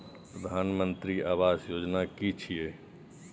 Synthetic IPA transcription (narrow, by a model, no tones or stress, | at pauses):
pɾəd̪ʱaːnmə̃nt̪ɾiaːʋaːzjoːd͡ʒnakit͡ʃʰie